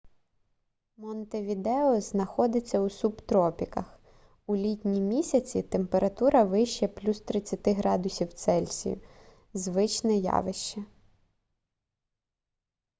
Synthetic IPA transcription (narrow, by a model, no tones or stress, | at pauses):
mɔnt̪eʋʲid̪ɛɔznɐxɔd̪ɪt͡sʲːɐusubt̪ɾɔpʲikɐx | ulʲitʲnʲimʲisʲɐt͡sʲit̪empeɾɐt̪uɾɐʋɪʃt͡ʃɛplʲust̪ɾɪt͡sʲːɐt̪ɪɦɾɑd̪ʊsʲiwt̪sɛlʲsʲḭjʊ̰ | zʋɪt͡ʃnɪjɑ̰ʋɪʃt͡ʃɐ